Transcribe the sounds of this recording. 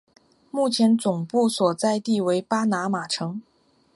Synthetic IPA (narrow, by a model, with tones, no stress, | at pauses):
mu˥˩t͡ɕʰjɛ˧˥nt͡sʊ˨˩ŋpu˥˩swɔ˨˩t͡sa˥˧ɪt̪i˥˩we˧˥ɪpa˥na˧˥ma˨˩ʈ͡ʂʰɤ˧˥ŋ